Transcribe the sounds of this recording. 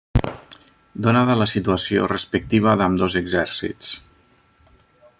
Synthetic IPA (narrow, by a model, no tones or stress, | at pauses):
d̪unaðələsit̪uəsio̰rəspək̚t̪iβ̞əðəmd̪ozəɡzɛɾsḭt͡s